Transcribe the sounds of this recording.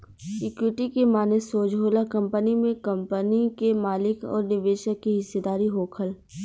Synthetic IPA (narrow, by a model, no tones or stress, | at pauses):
ɪkwɪʈikemaːnesoːd͡ʒʱɦoːlakɐ̃mpənimẽkɐmpənikemaːlɪkɔ̰ːɾnɪʋeːʃəkːiɦɪsːed̪aːɾiɦoːkʰəl